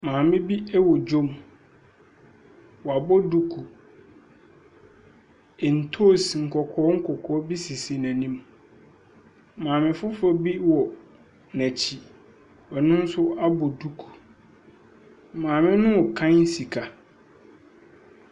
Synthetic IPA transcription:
mãː˨mɪ̃˦bi˦ɛ˦wɔ˨d͡ʑo˦m | wɔ˨a˨bɔ˦du˦kʰu˨ | ɛ˨n̩˨tʰo˦˨sŋ̩˨kʰɔ˨kʰɔː˦ŋ̩˦kʰɔ˨kʰɔː˨˦bi˦si˨si˨næ̃˨nĩ˦m | mãː˨mɪ̃˨fʊ˦fɔ˦bi˦wɔ˨ | næ˨t͡ɕʰi˨ | wɛ˨nʊ̃˦n̩˦sʊ˦a˦bɔ˨du˦kʰu̥˨ | mãː˨mɪ̃˦nʊ̃˦wɔ˨kʰã˦n̩˦si˨kʰa˨

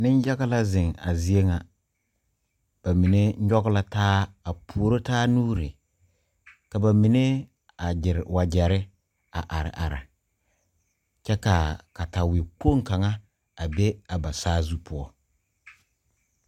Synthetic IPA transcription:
nɪ˦n˦ja˦ɡa˦la˦zɪ˨ŋa̰˨zi˦e˦ŋa˨ | b̥a˨mi˨ne˦ɔ˦ɡʊ˦la˦taː˦a˨pʰu˨o˨ɾo˦taː˦nuː˦ɾi˨ | ka˨ba˨mi˨ne˦ | a˨d͡ʒɪ˨ɾwa˨d͡ʒɛ˨ɾɪ˦ | a̰˨ʔa˨ɾɪ̰˨ʔa̰˨ɾa̰˨ | t͡ʃɛ˦ka˨ka˨ta˨wɪ˨k͡po˦˨ŋka˨ŋa˦ | a˨be˦a˨ba˨saː˦zu˦pʰʊ˦ɔ˦

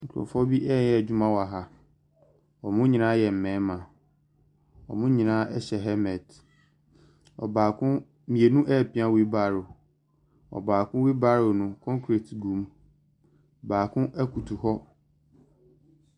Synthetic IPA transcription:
ŋ̩˨kʰʊ˨ɾɔ̰˨fɔ˦bi˦ʔɛ˦˨jɛ˦˨d͡ʑᶣʊ˦mã˦wa˨ɦa˦ | ɔ˨mʊ̃˦ɲĩ˨nãː˦jɛ˨m̩˨mɛ̃˨˦mã˨ | ɔ̰˨mʊ̃˦ɲĩ˨nãː˦ɛ˦ɕɛ˨ɦɛ˦mɛ̃˨d | ɔ̰˨baː˨kʰʊ̃˦ | mĩ˨e˨nũ˦ʔɛ˦˨pʰĩ˦ã˦wi˦baː˦˨ɾʊ˨ | ɔ̰˨baː˨kʰʊ̃˦wi˦ba˦ɾʊ˨nʊ̃˨kʰɔ̃˦ŋkʰɾe˨tɡũ˨˦m˨ | baː˨kʰʊ̃˦ʔɛ˦kʰu˨tʰu˨hɔ˦

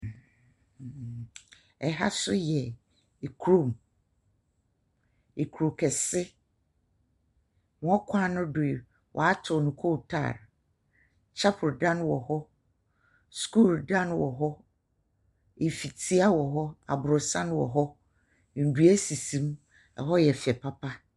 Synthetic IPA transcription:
ɛ˨ɦa̰˦sʊ˦jɛ˨ | e˨kʰu˦ɾo˨m | e˨kʰu˨ɾo˨kʰɛ˨sɪ˦ | mɔ̃˨ɔ˦kʷʰã˦nʊ̃˦dʊ˨ɪ˨ | wʔɔ̰˨a˦tʰʊ˨nũ˨kʰo˦˨tʰa̰ː˦˨ɾ | t͡ɕʰa˦pʰʊ˨ɾdã˦nwɔ˨hɔ˦ | sku˦˨ldã˦nwɔ˨ɦɔ˦ | e˨fi˨tʰi˦a˦wɔ˨ɦɔ˦a̰˨bʊ˨ɾʊ˨sã˦nwɔ˨ɦɔ˦ | n̩˨du˨˦æ˦si˨sĩ˦m | ɛ̰˨ɦɔ˦jɛ˨fɪ˨ɛ˨pʰa˦pʰa˦

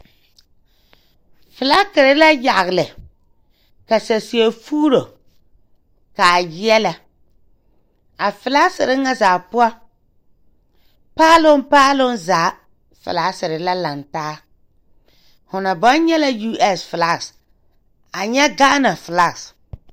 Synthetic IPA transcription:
fɪ˨la˦kɪ˨ɾɪ˦la˦ja˨ɣlɪ˨ | ka˨sa˨si˨e˨fuː˦ɾo˨ | ka˨jɪ˦ɛ˦la˨ | a˨fɪ˨la˦ksɪ˨ɾɪ˦ŋa˦zaː˨pʊ˦a˦ | paː˦lʊ˦n˦paː˦lʊ˦nzaː˨˦ | fɪ̰˨la˨˦sɪ˨ɾɪ˨la˦la˨ntaː˦ | hʊ˨na˨bɔ˦n˦ɲɛ˦la˦ju˦ʔɛ˦sfɪ˨la˦ks | a˨ɲɛ˦ɡaː˦na˨fɪ˨la˦ks

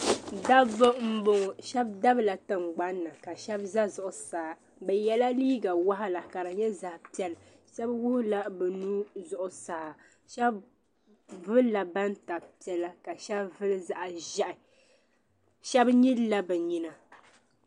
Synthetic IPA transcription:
da˦o˦m̩˦bo˨ŋ˨ʃɛ˦bda˦bla˨tɨ˨ŋ͡mɡ͡ba˦nːa˨ka˨ʃɛ˦bza˦zʊ˨ʔʊ˨saː˨ | bɛ˨jɛ˦la˦liː˦ɡa˨wa˦ɦa˦la˨ka˨ɾɨ˨ɲɛ˦za˨hpi˨˦ɛ˦l | ʃɛ˦bwʊ˦hʊ˦la˦bɛ˨nuː˦zʊ˨ʔʊ˨sa˨a˨ | ʃɛ˦b | vɨ˦la˨ba˦n˦ta˨pi˨˦ɛ˦la˦ka˨ʃɛ˦bvɨ˦lɨ˦za˦ʔa˨ʒɛ˦ʔɪ˨ | ʃɛ˦bɲi˦lla˦bɛ˨ɲi˦na˨

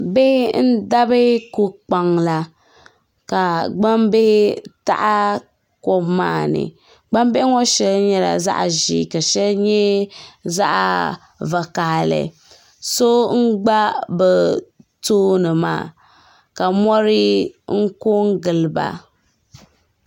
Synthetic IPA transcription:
be˦n̩˦da˦bɨ˦ku˨k͡pa˨ŋla˨ | ka˨ɡ͡ba˦mbe˦ta̰˦ʔa˦ | ko˦mːaː˦˨nɨ̰˨ | ɡ͡ba˦m˦be˦ŋɔ˦ʃɛ˦lɲɛ˦la̰˨za̰˦ʔʒḭ˦˨ka˨ʃɛ˦lɲɛ˦za˦ʔa̰˨ | va˨ka˨hlɨ̰˨ | so˦ŋ̩˦ɡ͡ba˦bɛ˨toː˦nɨ˨ma̰ː˦˨ | ka˨mɔ˦ɾɪ˦ŋ̩˦ko˦ŋ˦ɡɨ˨lba̰˨

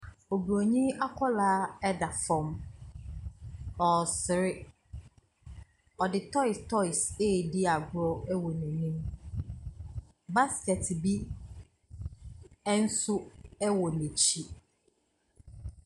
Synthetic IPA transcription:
o˨bɾo˨ɲĩ˦a˦kʰɔ˦laː˦ɛ˦da˨fɔ̃˨m | ɔ˨sɪ˨ɾɪ˦ | ɔ˨dɪ˨tʰɔ˦ɪ˨stʰɔ˦ɪ˨seː˦˨dɪ˦a˨ɡʊ˦ɾɔ˦ɛ˦wɔ˨nɛ̃˨nĩ˦m | ba˦skɛ˨tbi˦ | ɛ˦n̩˦sʊ˦ɛ˦wɔ˨nẽ˨t͡ɕʰi˦

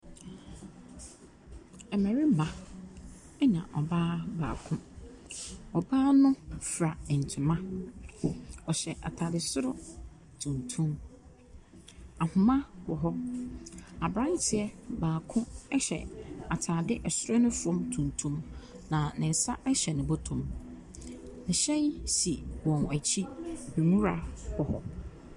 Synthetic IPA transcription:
ɛ˨mɛ̃˨ɾi˦ba˨ | ɛ˦ɲã̰˨ʔɔ˨baː˦ba̰ː˨kʰʊ̃˦ | ɔ˨baː˦nʊ̃˦fɾa˨ɛ˨n̩˨tʰʊ˨mã˦ | ɔ˨ɕɛ˨ʔa̰˨tʰaː˨dɪ˨sʊ˦ɾɔ˦ | tʰũ˨ntʰũ˦m | a˨hʊ̃˨mã˦hɔ˨ɦɔ˦ | a˨bɾã˦n˦tʰɪ˨ɛ˦baː˨kʰʊ̃˦ɛ˦ɕɛ̰˨a˨tʰaː˨dɪ˦ʔɛ˨sʊ˦ɾɔ˦nʊ̃˦fʊ˨ɔ̃˦mtʰũ˨ntʰũ˦m | nã˨nɪ̃˨n̩˨sa˦ʔɛ˦ɕɛ˨nʊ̃˨bʊ˦tʰʊ̃˨m | nɪ˨ɕɛ̃˦n˦si˨wɔ̃˨na˨t͡ɕʰi˦nũ˨mũ˦ɾa˨hɔ˨hɔ̰˦

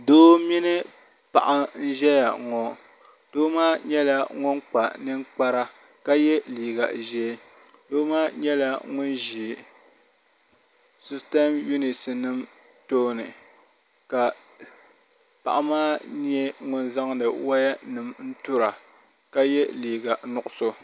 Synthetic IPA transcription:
doː˦mi˦nɨ˦ | pa˨ʔa˦n̩˦ʒɛ˦ja˨ŋɔ˨ | d̥oː˦maː˦ɲɛ˦la˦ŋʊ˦nk͡pa˨nɨ˦ŋk͡pa˦ɾa˦ | ka˦jɛ˦liː˨ɡa̰˨ʒɛ˦ | doː˦maː˦ɲɛ˦la˦ŋʊ˦nʒi˨ | si˦stɛ˦mju˦ni˨sɨ˨nɨ˦m | toː˦nɨ˨ | ka˨ | pa̰˨ʔa˦maː˦ɲ˦ɛ˦ŋʊ˦nza˦ŋdɨ˨wa˦ja˦nɨ˨mn̩˦tʊ˦ɾa˨ | ka˦jɛ˦liː˨ɡa˨nʊ˨ʔʊ˦so˦

